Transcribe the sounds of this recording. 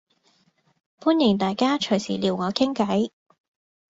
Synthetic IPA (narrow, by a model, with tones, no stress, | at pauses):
pʰuː˥njɪ˨˩ŋt̪aː˨jkaː˥t͡ʃʰɵ˨˩jsiː˨˩liː˨˩wŋɔː˨˧kʰɪ˥ŋkɐ˨˥j